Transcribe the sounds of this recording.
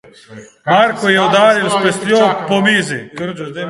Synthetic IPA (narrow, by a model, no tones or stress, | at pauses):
maɾkojeud̪aːɾilspesjopomiːzi